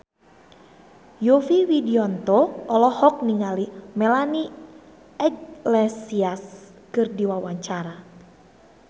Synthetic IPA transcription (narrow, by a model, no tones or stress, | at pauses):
jofiwidiɔnt̪ɔɔlɔhɔk̚niŋalimɛlani | ɛɡlɛsias | kɨrdiwawaɲt͡ʃaɾa